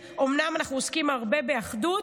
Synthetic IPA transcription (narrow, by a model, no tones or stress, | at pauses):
ʔomnamanaχnuoskimhaʁbe̞beaχdut